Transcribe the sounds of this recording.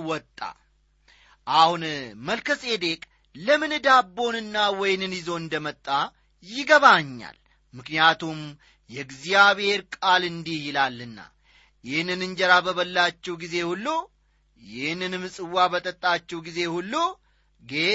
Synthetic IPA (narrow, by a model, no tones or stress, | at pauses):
wɔt̪ʼːa̰ | ʔahunməlkʰəsʼe̞d̪e̞kʼ | ləmɨnd̪abːo̞nɨnːawɔjnɨnjɪzo̞ɨnd̪əmət̪ʼːa | jɪɡəβaɲːa̰l | mɨknijat̪ʰum | jɛɡzijaβhe̞ɾkʼalɨnd̪ihjɪlalːɨnːa̰ | jɪhnːɨnɨnd͡ʒɛɾabəβəlːat͡ʃːɛwɡize̞hulːo | jɪhnːɨnɨmɨsʼɨwːabət̪ʼət̪ʼːat͡ʃːɛwɡize̞hulːo | ɡe